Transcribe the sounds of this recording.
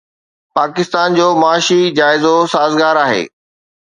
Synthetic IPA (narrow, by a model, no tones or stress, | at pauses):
paːkɪst̪aːnd͡ʑoːmɐaːʃid͡ʑaːɪzosaːzɡaːɾaːɦḛː